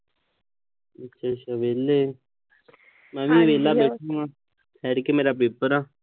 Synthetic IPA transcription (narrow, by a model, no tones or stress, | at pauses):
ətːʃʰat͡ʃʰaʋeːleː | mɛ̃ːʋĩːʋeːlaːbeːʈʰõãː | t̪ʰɛːɾkemeːɾaːp̬eːpəɾaː